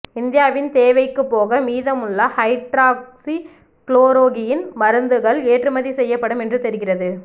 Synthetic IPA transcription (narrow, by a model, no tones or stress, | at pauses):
ɪnd̪ɪjaːʋɪnt̪eːʋɐɪkːɯpːoːɣɐmiːðɐmʊɭːɐhɐɪʈɾaːksi | kɭoːɾoːɣɪjɪnmɐɾɯnd̪ɯɣɐɭeːʈrɯmɐðisɛjːɐpːɐɽɯmɛndrɯt̪ɛɾɯɣɪrɐðɯ